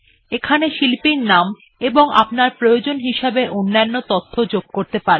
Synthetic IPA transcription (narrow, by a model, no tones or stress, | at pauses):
ekʰaneʃilpinnam | eboŋa̰pnaɾpɾojod͡ʑonɦiʃabeʔonːanːot̪ot̪ʰːod͡ʑoɡ̚koɾt̪epaɾe